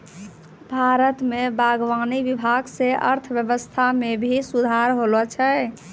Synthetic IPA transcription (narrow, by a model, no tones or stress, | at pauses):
bʱaɾət̪mebaɡʋaniʋibʱaɡseʔə̰ɾt̪ʰʋjəbəst̪ʰamebʱisud̪ʱaɾɦolɔt͡ʃʰɛ